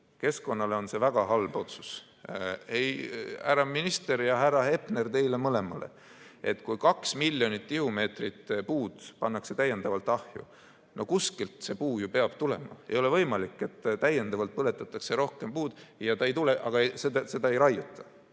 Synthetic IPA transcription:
ke̞sko̞nːɑle̞o̞nse̞væɡ̥ɑɦɑlbo̞t̪su̥s | ejhæ̰ɾɑminist̪e̞ɾjɑɦæɾɑhe̞pne̞rt̪e̞jle̞mɤle̞mɑle̞̰ | e̞t̪kujkɑksmilʲjo̞nit̪ˑːihume̞ːt̪rit̪ːpuːd̪̥pɑnːɑkse̞t̪æje̞nd̪̥ɑvɑlt̪ːˑɑhjṵ | no̞kuskilt̪se̞puːjupe̞ɑb̥t̪ule̞mɑ̰e̞̰jo̞le̞vɤ̞jmɑlikːˑe̞t̪ːt̪æje̞nd̪ɑvɑlt̪̚pɤle̞t̪ːˑɑt̪ːˑɑkse̞ɾo̞hke̞mpuːd̪̥jɑt̪ɑejt̪ule̞ʔɑ̰ɡ̥ɑsed̪se̞d̪ɑe̞jɾɑjːut̪ʰːˑɑ̥

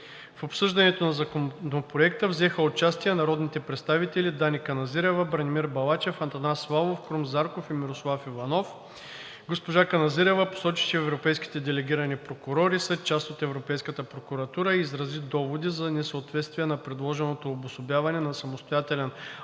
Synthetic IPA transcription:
fopsɤʒd̪ɐnɛt̪onɐzɐkonopɾoɛk̚t̪əvzɛxəot͡ʃast̪iɛnɐɾɔd̪nit̪ɛpɾɛt̪st̪avit̪ɛlʲid̪anikɐnɐziɾɛvəbɾənʲimiɾbɐlˠat͡ʃɛfɐnt̪ɐnasːlˠavofkɾumzaɾkofimiɾoslˠafivɐnɔf | ɡospoʒakɐnɐziɾɛvəpo̥sɔt͡ʃi̥t͡ʃɛːvɾopɛjskʲi̥t̪ɛd̪ɛlɛɡʲiɾɐnipɾokʊɾɔɾisɛt͡ʃast̪ot̪ɛvɾopɛjskət̪əpɾokuɾɐt̪uɾəiːzɾɐzid̪ɔvod̪izɐnɛsəot̪vɛt̪st̪viɛnɐpɾɛd̪lˠɔʒɛnot̪oːbʊsobʲjavɐnɛnɐsɐmost̪ojat̪ɛlɛn

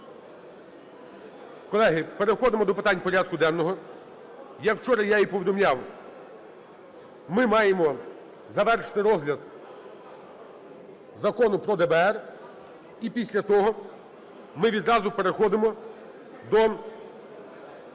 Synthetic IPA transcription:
kɔlˠɛɦɪpeɾexɔd̪ɪmɔd̪ɔpɪt̪ɑnʲpɔɾʲɑd̪̚kʊd̪ɛnnɔɦɔ | jɐkwt͡ʃɔɾɐjaipɔʋʲid̪ɔmlʲɑw | mɪmɑjemɔ | zɐʋɛrʃt̪ɪɾɔzlʲɐd̪ | zɐkɔnʊpɾɔd̪ɛbɛɛr | ipʲisʲlʲɐt̪ɔɦɔ | mɪʋʲid̪ɾɑzʊpe̞ɾexɔd̪ɪmɔ | d̪ɔ

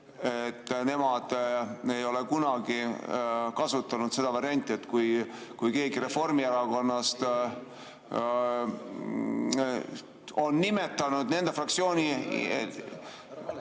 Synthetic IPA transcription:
et̪ːne̞mɑd̪̥e̞jo̞le̞kunɑɡi | kɑsut̪ːˑɑnud̪se̞d̪̥ɑvɑɾiɑnʲt̪ʲːˑie̞t̪ːkujkujke̞ːɡiɾe̞fo̞rmieɾɑko̞nːɑst̪ | o̞nːime̞t̪ːˑɑnud̪̥ne̞nd̪̥efrɑk̚tsio̞ːnʲi

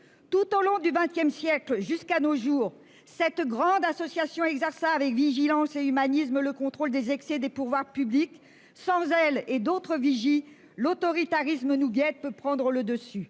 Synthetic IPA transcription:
t̪ut̪olɔ̃d̪yvɛ̃t̪jɛmsjɛklʒyskanoʒuːʁ | sɛt̪ɡʁɑ̃d̪asɔsjasjɔ̃ɛɡzɛʁsaːvɛkviʒilɑ̃seymanismələkɔ̃t̪χold̪ezɛksɛd̪epuʁvwaʁpyblik | sɑ̃zɛled̪ot̪χəviʒi | lot̪ɔʁit̪aʁismənuɡɛt̪̚pøpχɑ̃d̪ʁələd̪əsy

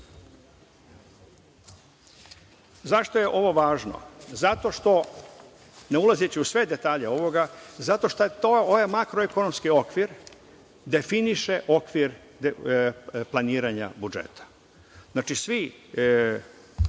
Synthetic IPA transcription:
zaʃt̪o̞jeʔo̞ʋo̞ʋaːʒno̰zat̪o̞ʃt̪o̞ | neulˠazet͡ʃiusʋe̞d̪e̞t̪aːʎeo̞ʋo̞ɡazat̪o̞ʃt̪at̪oojemakɾoekono̞mskio̞kʋiɾ | d̪e̞finiʃe̞ʔo̞kʋiɾ | plˠaniːɾaɲa̰bud͡ʒḛt̪ʰḁ | znaːt͡ʃisʋi

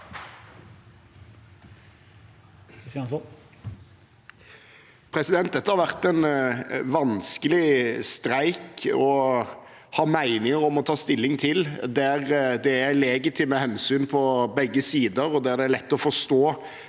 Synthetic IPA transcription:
s | pʰʁɛsɪd̪ɛnt̪̚d̪ɛt̪ːəhɑɾʋæʁt̪æɪnʋɑnskəlɪst̪ɾæɪkɔ | hɑːmæɪnɪŋəʁɔmɔt̪ʰɑːst̪ɪlːɪŋt̪ʰɪld̪æʁd̪ɛælɛɡɪt̪ʰɪmɛhɛnsyːnpʰɔbɛɡːəsiːd̪əɾɔd̪æd̪ɛæɾlɛt̪ːɔfɔst̪oː

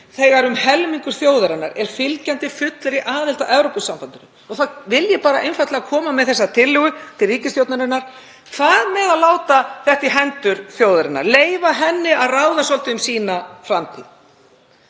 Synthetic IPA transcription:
θɛːɣaɾʏmhɛlmiŋkʏɾ̥θjoːwðaɾɪnːa̰ɾɛɾ̥fɪlcant̪ɪfʏt̪lɛɾiʔaːðɪlt̪aʔɛvɾowpʏsːampant̪ʏnʏ | ɔɣθaðvɪljɛpaːɾaʔejnfajt̪laɣakʰɔːmamɛðθɛsːat̪ʰɪlːɪːɣʏt̪ʰɪlriːcɪst̪jowt̪naɾɪnːaɾ̥ | θaðmɛðalaːwt̪aθɛht̪ɪɦɛnt̪ʏɾ̥θjowðaɾɪnːa̰ɾleːjvaɦɛnːɪaðraːwðasɔlt̪ɪʏmsiːnafɾamt̪ʰḭð

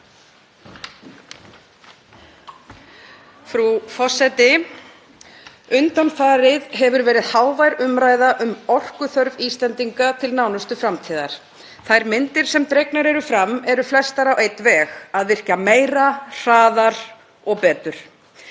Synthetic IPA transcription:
fɾufɔsɛt̪ɪ | ʏnt̪anfaːɾɪðɦɛvʏɾvɛːɾɪðhaːwvajɾʏmɾaːjðaʔʏmɔr̥kʏθœɾviːst̪lɛnt̪iŋkat̪ʰɪlnawnʏst̪ʏfɾamt̪ʰiːða̰ɾ̥ | θajɾmɪnt̪ɪɾ̥sɛmt̪ɾeknaɾɛɾʏfɾamːɛɾʏflɛst̪aɾawejt̪vɛːɣaðvɪr̥cameːjɾar̥aːðaɾ̥ | ɔɣpɛːt̪ʏɾ̥

